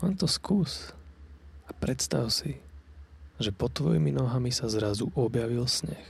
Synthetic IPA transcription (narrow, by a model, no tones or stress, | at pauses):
ɔnt̪ɔskuːs | apɾɛt̪st̪aʊsi | ʒɛpɔt̪ʋɔjiminɔɦamisazɾazuʔɔbjaʋilsɲɛ̰x